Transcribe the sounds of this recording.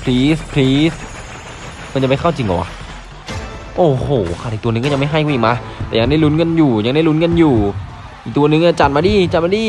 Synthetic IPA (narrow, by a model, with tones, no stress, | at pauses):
pʰliː˦˥spʰliː˦˥s | maː˧nt͡ɕa˨˩pa˧jkʰa˥˩wt͡ɕi˧ŋʔɔ̰˨˩kwʔa̰˧˩ | ʔoː˧˩hoː˨˩kʰa˧˩ʔkt̪u˧n˧ŋkɔː˥˩ja˧ma˥˩jɦa˥˩jkʰːʔiː˨˩maː˧˥t̪ɛː˨˩ja˧ŋda˥˩jlu˦˥nŋɤ˧˨njuː˨˩ja˧ŋda˥˩jlu˦˥nŋɤ˧njuː˨˩ | ʔiː˨˩k̚t̪u˧ɐ˧nɯ˨˧ŋʔaː˧˩t͡ɕa˨˩t̪̚maː˧diː˧˩t͡ɕa˨˩t̪̚maː˧diː˧˩